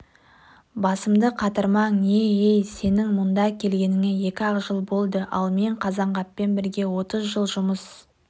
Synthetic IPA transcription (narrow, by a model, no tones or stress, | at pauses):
bɑsəmd̪əqʰɑt̪əɾmɑŋe̞ejse̞nɪŋmʊnd̪ɑkʲʰe̞lɡʲe̞nɪŋeje̞kʲɪɑʁʒəlˠbo̞lˠd̪əʔɑ̰lˠme̞ɴqʰɑzɑɴʁɑpːe̞nbɪɾɡʲe̞wo̞t̪əzʒəlˠʒʊməs